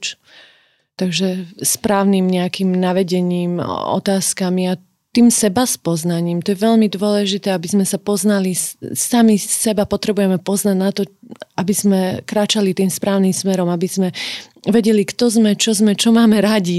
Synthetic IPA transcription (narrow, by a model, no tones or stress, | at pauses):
t͡ʃ | t̪aɡʒɛspɾaːʊnimɲɛakimnaʋɛɟɛɲiːmɔ̰t̪aːskamia | t̪iːmsɛbaspɔznaɲiːmt̪ɔjɛʋɛʎmid̪ʊɔlɛʒit̪ɛːabizmɛsapɔznalisamisɛbapɔt̪ɾɛbujɛmɛpɔznaɟnat̪ɔabizmɛkɾaːt͡ʃalit̪iːmspɾaːʊnimsmɛɾɔmabiz̥mɛ | ʋɛɟɛlikt̪ɔzmɛt͡ʃɔzmɛt͡ʃɔmaːmɛɾaɟi